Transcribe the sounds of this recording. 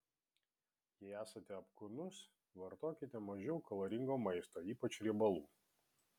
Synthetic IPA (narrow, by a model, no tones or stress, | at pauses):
jɛæːsɐt̪ʲɛɐpkʊnʊs | ʋɐɾt̪oːkʲɪt̪ʲɛmɐʒʲɛʊkʰɐlˠɐɾʲɪŋɡoːmɐɪst̪oːiːpɐt͡ʃʲɾʲibɐlˠṵː